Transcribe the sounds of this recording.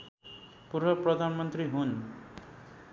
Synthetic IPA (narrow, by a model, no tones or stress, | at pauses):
puɾbʌprʌd̪ʱanmʌnt̪riɦun